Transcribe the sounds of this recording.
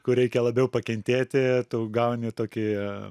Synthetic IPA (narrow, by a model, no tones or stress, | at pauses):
kʊɾʲɛɪkʲɛlˠɐbʲɛʊpɐkʲɛnʲt̪ʲeːt̪ʲɪt̪uːɡɐʊnʲɪt̪oːkʲɪ